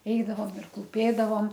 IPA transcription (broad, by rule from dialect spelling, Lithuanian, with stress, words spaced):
ˈɛɪdɐʋoːm ɪr klˠuːˈpʲeːdɐʋoːm